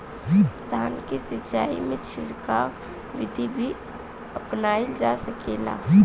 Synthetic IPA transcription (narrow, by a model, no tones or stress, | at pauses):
t̪ankisɪt͡ʃaḭmet͡ʃʰɪɽka | ʋid̪ʱibʱi | əpnaeld͡ʒasəkela̰